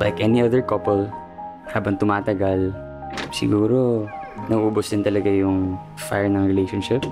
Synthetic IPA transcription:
lajkʔɛniɐd̪ɛɹkɐpɛl | haːbɐŋt̪ʊmaːt̪ɐɡɐl | sɪ̰ɡuːɾonɐɡʔuːbosd̪ɪnt̪ɐlɐɡajʊŋ | fa̰jɹnɐŋɹɪlejʃonʃɪp̚

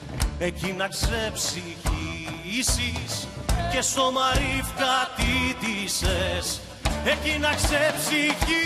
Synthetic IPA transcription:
ecinɐksepsiçiːsisce̞st̪o̞mɐɾifkɐt̪it̪ises | ecinɐksepsiçi

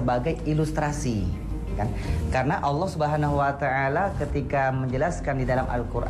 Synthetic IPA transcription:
əbaɡajilust̪ɾasi | kan | kaɾənaʔɑlːɑhsubəɦanaɦuwat̪aʔalakət̪ikaməɲd͡ʒəlaskandidalama̰lkurʔ

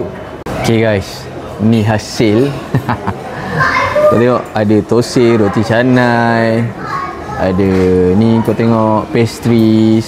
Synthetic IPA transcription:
okeɡajs | nĩɦasɪl | kot̪eŋɔʔadət̪oseɾot̪isanaj | adənikot̪eŋɔʔpɛst̪ɾis

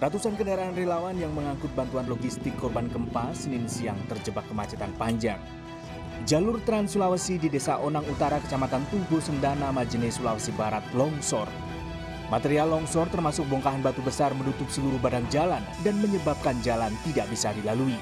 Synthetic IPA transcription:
rat̪usankənaɾaːnrelawanjaŋməŋaŋkʊt̪̚bant̪uanloɡist̪ɪkːɔrbankəmpasənɪnsiaŋt̪ərd͡ʒəbakːəmat͡ʃat̪anpaɲd͡ʒaŋ | d͡ʒalʊrt̪ɾansulawasididesaʔonaŋut̪aɾakə̥t͡ʃamat̪ant̪uɡusəndanamad͡ʒənɛsulawasibaɾat̪̚lɔŋsɔr | mat̪eɾialɔŋsɔrt̪ərmasʊk̚bɔŋkaɦanbat̪ubəsarmənut̪ʊp̚səluɾuhbadaŋd͡ʒalandanməɲəbap̚kand͡ʒalant̪idaʔbisadilalui

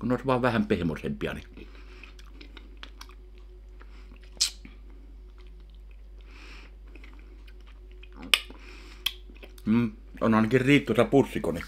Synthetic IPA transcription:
kunoˑesʋɑˑeʋʋæhæmpehmosempiɑ̰ni | m | o̰nɑˑenɑkirriːt̪ːˑusɑpusːikoni

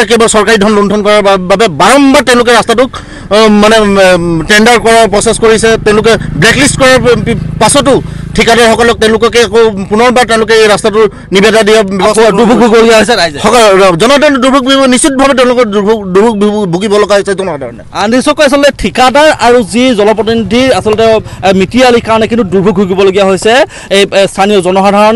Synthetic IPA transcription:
kejbasɔɹkaɹidʱɔnlɔndʰʱɔnkɔɹaɹbabɛbaɹɔmbaɹtɛ̃ʊ̃lʊk̬ɛɹastatʊk | manɛtɛndaɹkɔɹapɹɔseskoɹisɛtɛ̃ʊ̃lʊkɛblɛklistkɔɹaɹpasɔtʊtʰikadaɹxɔkɔlɔk̚tɛ̃ʊ̃lʊkɔkɛakopunɔɹbaɹtɛ̃ʊ̃lʊkɛejɹastatʊ | nibɛdadijɔduɹbʱubʱuɡibɔloɡiaɦojs̬ɛɹajzɛxɔkɔlzɔnɔdaɹɔnɛdubʱuk̚buɡibɔnisit̚bʱabɛtɛʊ̃lʊkɔdubʱukdubʱuk̚bbuɡibɔlɔɡaɦojsɛzɔnɔada̰ɹɔnɛ̰anisɔkɔjas̬ɔlɔtɛtʰikadaɹaɹuzizɔnɔpɔtinidʱiasɔltɛmitialikaɹɔnɛkĩntuduɹbʱuɡ̚buɡibɔloɡijaɦojsɛ | ejstʰanijɔzɔnɔxadʱaɹɔn

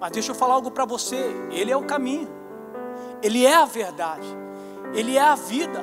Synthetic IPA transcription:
mɐzd̪eʃowfalaawɡʊpɾɐvoseelɪɛʊkamĩɲʊ | elɪɛɐveɾd̪ad͡ʒɪ | elɪɛɐvid̪ɐ

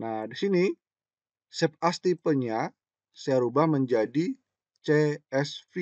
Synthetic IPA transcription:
nahdisini | sɛp̚ast̪ipəɲa | sajaɾubahməɲd͡ʒadi | t͡ʃeɛsfi

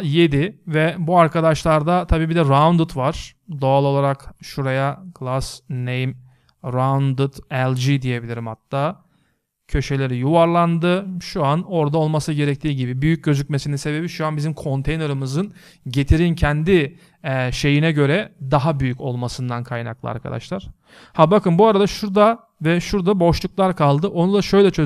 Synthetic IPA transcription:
je̞d̪ivɛbuaɾkʰad̪aʃlˠaɾd̪at̪ʰabiːbid̪ɛɾavnd̪ut̪vaɾ̥d̪o̞alˠo̞lˠaɾakʃuɾajaɡ̥lˠasnejm | ɾand̪ɯt̪ɛlʲˠd͡ʒid̪ije̞bilʲiɾimhat̪ːaː | cʰø̞ʃe̞lʲe̞ɾijuvaɾlˠand̪ɯʃuano̞ɾd̪ao̞lˠmasɯɟe̞ɾɛc̚t̪ʰiːɟibibyjyc̚ɟø̞zyc̚me̞sininse̞be̞biʃuanbizimkʰo̞nt̪ʰe̞jne̞ɾɯmɯzɯn | ɟe̞t̪ʰiɾincʰɛnd̪i | ɛʃe̞jinɛɟø̞ɾɛd̪aɦabyjyco̞lˠmasɯnd̪ankʰajna̰klˠɯ̰a̰ɾkʰa̰d̪a̰ʃlˠaɾ̥ | habakɯnbuaɾad̪aʃuɾd̪a | vɛʃuɾd̪abo̞ʃlˠuklˠaɾkʰalˠd̪ɯʔo̞nud̪aʃø̞jlʲɛt͡ʃʰø

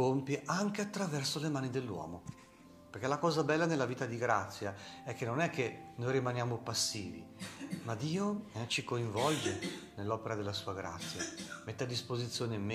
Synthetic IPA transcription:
ompjiʔaŋk̟eat̪ːɾavɛrsolemaːnid̪elːwɔ̰ːmo | perk̟elakɔːzabɛlːanelːaviːt̪ad̪iɡɾat̪sːjaɛkːenonɛkʰːenojɾimanjaːmopasːiːvḭmad̪iːot͡ʃikoiɱvɔld͡ʒenelːɔːpeɾad̪elːasuːaɡɾa̰t̪sːjamet̪ːead̪ːispozit̪sːjoːnem

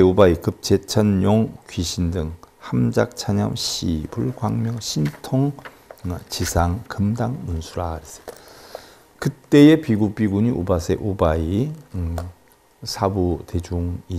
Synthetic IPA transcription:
eobaikɯp̚t͡ɕe̞t͡ɕʰʌnjoŋkɥiɕʰindɯŋhamd͡ʑak̚t͡ɕʰaɲʌ̰mɕʰḭbuɭɡwaŋmjʌŋɕʰintʰoŋ | t͡ɕisʰaŋkɯmdaŋmunsʰuɾaɾes͈ʌ̥ | kɯt͈e̞epiɡupiɡuɲiʔobasʰe̞̰ʔobai | sʰabute̞d͡ʑuŋi

